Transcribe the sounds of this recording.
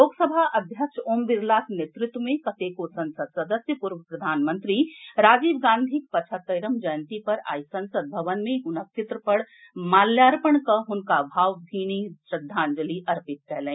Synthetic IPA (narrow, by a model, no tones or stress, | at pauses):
loːɡsəbʱaʔɐbʱjəkʃoːmbiɾlaːt̪net̪ɾʊt̪wəmẽkɐt̪ekosɐ̃nsəd̪̚sɐd̪əsjəpuɾʋəpɾɐd̪ʱaːnmə̃nt̪ɾiɾaːd͡ʒiːbɡãːnd̪ʱik̚pət͡ʃʰət̪ːəɪɾəmd͡ʒəjə̃nt̪ipɐɾa̰ːisɐ̃nsəd̪̚bʱɐʋənmẽɦʊnəkt͡ʃʰɪt̪ɾəpəɽ | maːljaːɾpəɳkəɦʊnkabʱaːʋbʱiːniʃɾɪd̪ʱːaːnd͡ʒəliʔɐɾpɪt̪̚kɛɦlɛ̃ː